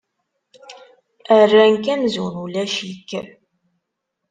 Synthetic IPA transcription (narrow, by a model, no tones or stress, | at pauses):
ərːæŋkæmzunulæʃikː